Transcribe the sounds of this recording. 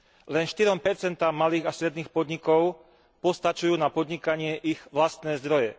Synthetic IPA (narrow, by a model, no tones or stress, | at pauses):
lɛnʃt̪iɾɔmpɛɾt͡sɛnt̪aːmːaliːɣast̪ɾɛd̪niːxpɔd̪ɲikɔʊ | pɔst̪at͡ʃujuːnapɔd̪ɲikaɲɪɛʔiɣʋlast̪nɛːzd̪ɾɔjɛ